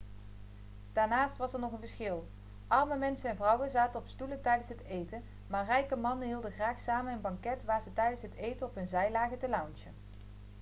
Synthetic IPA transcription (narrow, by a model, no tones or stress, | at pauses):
d̥aːɹnaːstʋɑsɛɹnɔχənvəɹsχɪlˠ | ʔɑrməmɛnsənɛnvrʌwənzaːtənɔpstulətɛjdənsɦətejtən | maːɹrɛjkəmɑnənɦiːlˠdəχraːxsaːmənənbɑŋkɛtʋaːɹzətɛjdənsɦətejtənɔpɦɵnzɛjlaːɣətəlɑwnsən